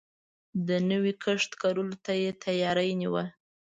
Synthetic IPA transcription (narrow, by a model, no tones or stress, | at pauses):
d̪ənəwikʰəʂt̪kaɾulot̪ajet̪ʰajɑɾajniwə